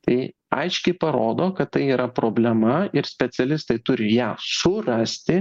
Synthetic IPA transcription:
t̪ɐɪ | ɐ̰ɪʃʲkʲɛɪpɐɾoːd̪oːkɐt̪t̪ɐɪiːɾɐpɾoːbʲlʲɛmɐɪɾsʲpʲɛt͡s̪ʲɛlʲɪst̪ɐɪt̪ʊɾʲɪjæːsʊrɐsʲt̪ʲɪ

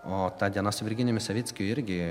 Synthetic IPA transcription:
oːt̪ɑd̪ʲiɛnɐsʊʋʲɪɾʲɡʲɪnʲɪmʲɪsɐʋʲit̪sʲkʲʊɪɾʲɡʲɪ

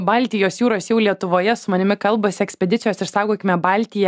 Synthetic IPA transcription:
bɑːlʲt̪ʲɪjoːsjuːɾoːsjɛʊlʲiɛt̪ʊʋoːjɛsʊmɐnʲɪmʲɪkɐlˠbɐsʲɪɛksʲpʲɛd̪ʲɪt̪sʲjoːsɪɾsɑːʊɡoːkʲɪmʲɛbɑːlʲt̪ʲɪjɛ

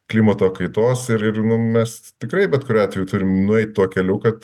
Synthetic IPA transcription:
klʲiːmɐt̪oːkɐɪt̪oːsɪɾɪrnʊmʲɛst̪ʲɪkɾɐɪbʲɛt̪kʊɾʲoːɑːt̪ʲʋʲɛjuːt̪ʊɾʲɪmnʊɛɪt̪̚ʲt̪uɔkʲɛlʲukɐt̪

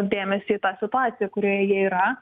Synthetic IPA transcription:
d̪ʲeːmʲɛsʲɪːt̪ɑːsʲɪt̪ʊɑːt̪sʲɪjɛkʊɾʲoːjɛjiɛiːɾɐ

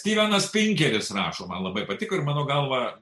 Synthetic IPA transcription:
sʲt̪ʲiːʋʲæːnɐspʲɪŋʲkʲɛɾʲɪsrɑːʃoːmɐnlˠɐbɐɪpɐt̪ʲɪkoːɪɾmɑːnoːɡɐlˠʋɐ

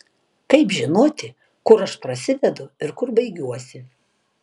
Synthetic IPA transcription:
kɐɪpʒʲɪnoːt̪ʲɪ | kʊɾɐʃpɾɐsʲɪd̪ʲɛd̪ʊɪɾkʊɾbɐɪɡʲuɔsʲɪ

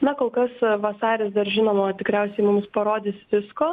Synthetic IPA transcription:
nɐkoːlˠkɐsʋɐsɑːɾʲɪsd̪ɐrʒʲɪnoːmoːt̪ʲɪkɾʲɛʊsʲɛɪmʊmspɐɾoːd̪ʲɪːsʋʲɪskoː

